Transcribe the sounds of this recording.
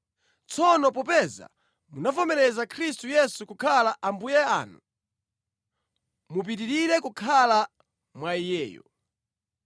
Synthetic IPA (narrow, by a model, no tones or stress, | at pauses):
t͡sʰɔnɔpɔpɛza̰ | munafɔmɛɾɛzakʰɾistujɛsukukʰalaʔambujɛa̰ːnu | mup̬itiɾiɾɛkukʰala | mwaijɛːjɔ̰